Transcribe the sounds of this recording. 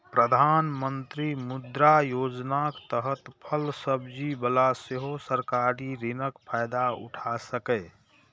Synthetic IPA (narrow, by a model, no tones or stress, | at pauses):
pɾəd̪ʱanmənt̪ɾimʊd̪ɾajoːd͡ʒnakt̪əɦət̪pʰəlsəbd͡ʒibəlaseɦosəɾkaɾiɾɪnəkpʰaɪd̪aʊ̰ʈʰasəkɛ